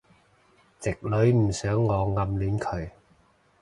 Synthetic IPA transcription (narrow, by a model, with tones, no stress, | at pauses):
t͡sɪ˨k̚lɵ˨˧˥ɥm̩˨˩sœː˨˥ŋːɔː˨˧ŋɐ˧mliː˨˥nkʰɵ˨ɥ